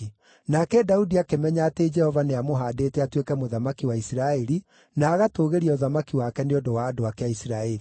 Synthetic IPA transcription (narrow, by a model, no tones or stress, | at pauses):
nakɛdaudiakemɛɲaːted͡ʒɛhɔvaneamoɦaːdetɛatwekɛmoðamakiwaisiɾaɛɾi | naːɣatoːɣeɾiɔðamakiwakɛneodowaːdoakeaisiɾaɛɾi